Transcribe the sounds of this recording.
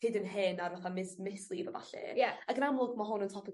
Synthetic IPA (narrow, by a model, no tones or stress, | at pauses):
ɪdənɦɪnarvaθamɪsmɪslˠivəva̰ɬɛ̰jaaɡənamlˠʊɡ̚maɦʊnəntʰɔpʰə